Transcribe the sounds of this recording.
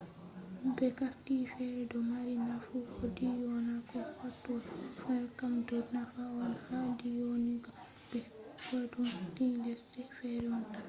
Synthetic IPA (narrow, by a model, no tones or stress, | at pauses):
bɛkaftifɛɾɛdɔmaɾinafuodijɔnakɔfatːuwafɛɾkamdɔnafaɔnhadijoniɡɔ | b̥ɛ | wadunkilɛstɛfɛɾɛɔna